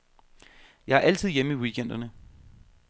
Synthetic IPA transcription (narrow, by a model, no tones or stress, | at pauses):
jɑ̈æɐʔæl̰t͡sʰið̞̰ˠjeməiwikʰen̰d̥ɐnə